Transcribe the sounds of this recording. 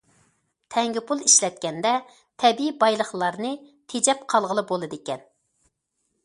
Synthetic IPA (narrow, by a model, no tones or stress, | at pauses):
t̪ʰɛŋɡʲipʰulˠiʃlɛt̪̚kʲɛnd̪ɛ | t̪ʰɛbiibɑjlˠəχlˠɑɾnɨ | t̪ʰed͡ʒɛpqʰɑlˠʁəlˠɨbolˠɨd̪ɪkʲɛn